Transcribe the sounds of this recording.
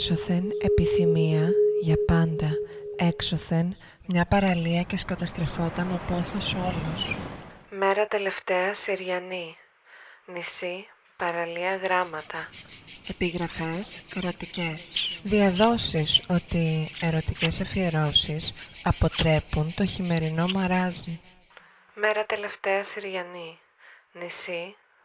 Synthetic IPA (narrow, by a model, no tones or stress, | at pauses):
so̞θe̞ne̞piθimiɐʝɐpɐnd̪ɐe̞kso̞θe̞n | mɲɐpɐɾɐliɐceskɐt̪ɐst̪ɾe̞fo̞t̪ɐno̞po̞θo̞so̞losme̞ɾɐt̪e̞le̞ft̪e̞ɐsiɾʝɐni | nisi | pɐɾɐliɐɣɾɐmɐt̪ɐe̞piɣɾɐfe̞seɾo̞t̪ice̞sðiɐðo̞siso̞t̪ie̞ɾo̞t̪ice̞sɐfie̞ɾo̞sisɐpo̞t̪ɾe̞punt̪o̞çime̞ɾino̞mɐɾɐzi | me̞ɾɐt̪e̞le̞ft̪e̞ɐsiɾʝɐni | nisi